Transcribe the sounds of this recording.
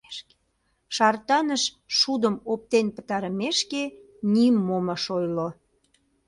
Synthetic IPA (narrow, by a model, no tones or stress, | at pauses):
ʃɑrt̪ɑnəʃ | ʃud̪əmop̚t̪enpə̥t̪ɑɾəmeʃke | nimːoməʃojlo